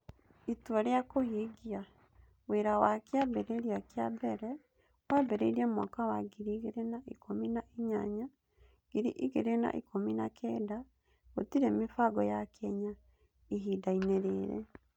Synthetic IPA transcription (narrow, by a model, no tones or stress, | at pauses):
itwɔɾejakohiɡia | weɾawakjabɛɾeɾiakjabɛɾɛ | wabɛɾḛɾiamwa̰kawaɡiɾiɡeɾenaʔikominaiɲaɲa | ɡ̥iɾḭʔiɡeɾena̰ʔḭkominakʰɛːda | otiɾemifaɡɔjakʰɛɲa | iɦidaineɾeɾɛ̰